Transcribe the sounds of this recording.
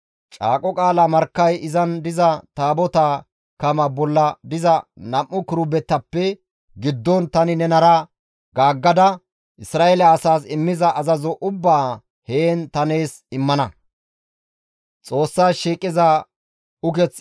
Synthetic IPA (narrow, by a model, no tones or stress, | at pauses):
t͡ʃʼa̰ːkʼɔkʼaːlamɐɾkːɐjɪzɐnd̪ɪzɐt̪aːbɔt̪aː | kɐmɐbɔlːɐd̪ɪzɐnɐmʔʊkʊɾʊbɛt̪ːɐpːɛ | ɡɪd̪ːɔnt̪ɐnɪnɛnɐɾɐ | ɡaːɡːɐd̪ɐ | ʔɪsɾaːelɛːsaːsɪmːɪzɐɐzɐzɔʔʊbːaː | heːnt̪ɐne̞ːs | ɪmːɐnɐ | t͡sʼo̞ːsːaːʃiːkʼːɪza | ʊkɛt͡s